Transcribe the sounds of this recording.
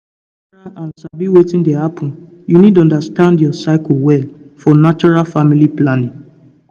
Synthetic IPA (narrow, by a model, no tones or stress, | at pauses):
ɹaʔãnsabiwetĩndehapʰɔ̃n | junid̚tɔ̃ndastãndjɔsaɪkl̩wɛlfɔnat͡ʃɔɹalfamiliplanĩŋ